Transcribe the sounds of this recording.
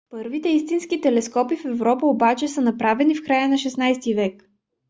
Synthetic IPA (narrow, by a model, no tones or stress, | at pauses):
pɤɾvit̪ɛist̪inskit̪ɛlɛskɔpifɛvɾɔpəobat͡ʃɛsənɐpɾavɛnifkɾajənɐʃɛsnajst̪ivɛk